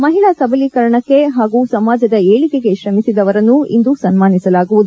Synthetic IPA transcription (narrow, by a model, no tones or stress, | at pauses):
mɐɦiɭaːsɐbɐlikɐɾɐɳɐkːe̞ɦaːɡusɐmaːd͡ʒɐd̪ɐeːɭikeɡe̞ʃɾɐmisid̪ɐʋɐɾɐnːuḭnd̪usɐnmaːnisɐlaːɡuʋud̪u